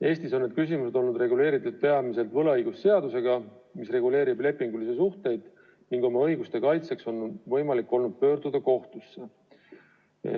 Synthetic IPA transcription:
e̞ːst̪iso̞nːe̞d̪̥̚kys̬ʲimuse̞d̪o̞lnud̪re̞ɡule̞ːɾit̪ːˑud̪̥̚pe̞ɑmise̞lt̪vɤlɑɤjɡ̥usːe̞ɑd̪use̞ɡ̥ɑmisre̞ɡule̞ːɾible̞pːˑiŋɡulisesuht̪e̞jd̪̥ | niŋɡ̥o̞mɑɤjɡust̪e̞kɑjt̪se̞kso̞nvɤ̞jmɑlikːˑo̞lnud̪̥̚pø̞ːɾd̪ud̪̥ɑko̞ht̪usːe

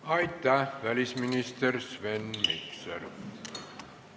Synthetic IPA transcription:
ɑjt̪ːæʋælisminist̪ersʋenmiksḛr

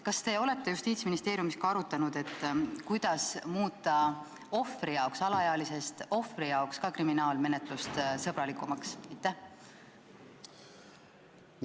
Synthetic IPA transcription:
kɑst̪e̞o̞le̞t̪ːe̞just̪iːt̪sminist̪e̞ːɾjumiskɑɑɾut̪ːˑɑnud̪̥e̞t̪ːkujd̪̥ɑsmuːt̪ːˑɑ | o̞frijɑoksɑlɑjɑlise̞st̪o̞frijɑokskɑkriminɑːlme̞ne̞t̪ˑlust̪sɤb̥ɾɑlikːˑumɑksɑjt̪ːˑæh

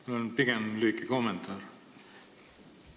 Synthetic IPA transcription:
monpiɡemlyːkːikomːent̪ʰˑɑːr

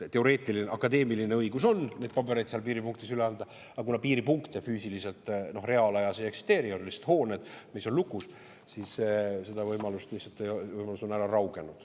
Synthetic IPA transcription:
t̪e̞o̞ɾe̞ːt̪ːˑilineʔɑkːˑɑd̪e̞ːmilineɤjɡ̥uso̞nne̞ːd̪̚pɑbeɾejd̪seɑlpiːɾipuŋkt̪isyleɑnd̪ɑ | ɑkunɑpiːɾipuŋkt̪e̞fyːsilise̞lt̪ˑno̞hre̞ɑlɑjɑseeksi̥st̪e̞ːɾioriliset̪ho̞ːne̞d̪̥misːo̞nlukːˑus | sissed̪̥ɑvɤjmɑlust̪miset̪ːejovɤjmɑluso̞næɾɑrɑwɡ̥e̞nud̪̥

